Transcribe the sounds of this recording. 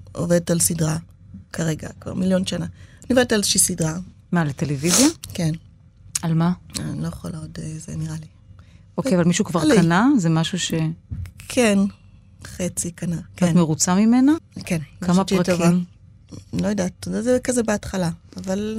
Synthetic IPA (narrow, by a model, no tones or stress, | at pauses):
ʔo̰vedetalsidʁa | kʰaʁeɡa̰kva̰ʁmiljo̞nʃananioved̪etalzeʃisidʁa | malet̪elevizjaken | almaa̰nilojeχolaodezḛniʁali | okejavalmiʃukvaʁlkanazemaʃuʃe̞kʰen | χet͡sikanaenmeʁut͡samimenakenmkamapʁatoviam | lo̞jadatzekazebeatχalaːval